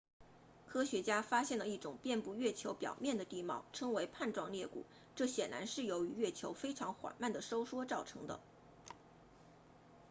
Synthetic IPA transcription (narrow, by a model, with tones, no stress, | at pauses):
kʰɤ˥ɕɥɛ˧˥t͡ɕja˥fa˥ɕjɛ˥˩nlə˩i˥˩ʈ͡ʂʊ˨˩ŋpjɛ˥˧npu˥˧ɥɛ˥˩t͡ɕʰjo˧˥ʊpjɑ̰˨˩ʊmjɛ˥˩nd̪ə˩t̪i˥˧mɑ˥˩ʊʈ͡ʂʰɤ˥ŋwe˧˥ɪpʰa˥˧nʈ͡ʂwɑ˥˧ŋljɛ˥˩kṵ˨˩˦ | ʈ͡ʂɤ˥˩ɕjɛ˨˩nla̰˧˥nʂɻ̩˥˩jo˧˥ʊy˧˥ɥɛ˥˩t͡ɕʰjo˧˥ʊfe˥ɪʈ͡ʂʰɑ˧˥ŋxwa̰˨˩nma˥˩nd̪ə˩ʂo˥ʊʂwɔ˥ʈ͡ʂɑ˥˩ʊʈ͡ʂʰɤ̰˧˥ŋd̪ə̰˧